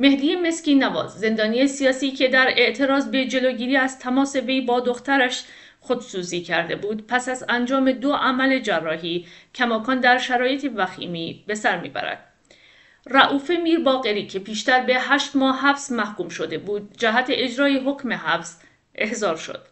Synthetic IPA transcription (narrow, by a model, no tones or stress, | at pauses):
me̞hd̪iːjeme̞sciːnævɒ̰ːzze̞nd̪ɒːnijesijɒːsiːcʰe̞d̪æɾe̞ʔt̪ʰe̞ɾɒːzbe̞d͡ʒe̞lo̞ːɟiːɾiːæz̥t̪ʰæmɒːse̞ve̞jbɒːd̪o̞xt̪æɾæʃ | χod̪suːziːcʰæɾd̪e̞buːd̪̚pʰæsæzænd͡ʒɒːme̞d̪oʔæmæle̞d͡ʒærːɒːɦiːcʰæmɒːkʰɒːnd̪æɾʃæɾɒːje̞t̪ʰevæxḭːmiːbe̞sæɾmḭːbæ̰ɾæ̰d̪̥ | ræʔuːfemiːɾbɒːɣe̞ɾiːcʰe̞pʰiːʃt̪æɾbe̞ɦæʃt̪mɒːɦæfzmæhkuːmʃo̞d̪e̞buːd̪̚d͡ʒæɦæt̪ʰeʔed͡ʒɾɒːjeɦo̞cʰme̞ɦæfz̥ | ʔe̞hzɒːɾʃo̰d̪̥